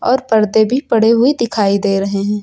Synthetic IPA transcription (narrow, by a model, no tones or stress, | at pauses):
ɔːɾpɐɾd̪ebʱipɐɽeɦʊed̪ɪkʰaːid̪eːɾɐɦeɦɛ̃ː